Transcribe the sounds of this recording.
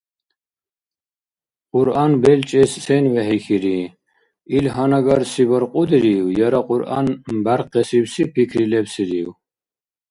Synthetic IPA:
qʼuɾanbɛlt͡ʃʼɛssɛnvɛɦikʰiɾi | ilɦanaɡaɾsibɐɾqʼud̪ɾiːwjaɾaqʼuɾa̰nbaɾqʰɛsibsipʰikʰɾilɛbsiɾiw

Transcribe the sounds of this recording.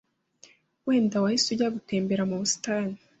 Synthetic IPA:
weːndawahisujaɡuteːmbeɾamuβusi̥taːni

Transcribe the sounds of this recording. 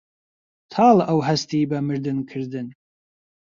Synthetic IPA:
t̪ʰɑːlʔɐwɦɐst̪iːbɐmɨɾd̪ɨnkʰɨɾd̪ɨn

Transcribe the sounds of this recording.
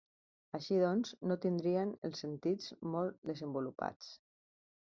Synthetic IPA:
əʃiðɔnznot̪ind̪ɾiənəlˠsənt̪id͡zmɔlˠt̪̚d̪əzəmbulupa̰t͡s

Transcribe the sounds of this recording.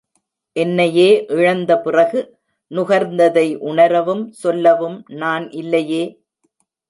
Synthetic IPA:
ʔɛnːɐjeːʔɪɻɐnd̪ɐpɪrɐɣɯ | nʊɣɐɾnd̪ɐðɐɪʔʊɳɐɾɐʋɯmsɔlːɐʋɯmnaːnʔɪlːɐjeː

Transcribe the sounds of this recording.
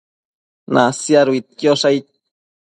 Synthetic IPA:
nʔasjaɾuit̪̚kjoʂajt̪̚

